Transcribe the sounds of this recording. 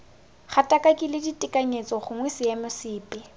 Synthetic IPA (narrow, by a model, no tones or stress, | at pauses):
χatʼakʼakʼɪlɪditʼɪkʼaɲet͡sʼɔχʊŋwesɪjamʊsɪːpʼɪ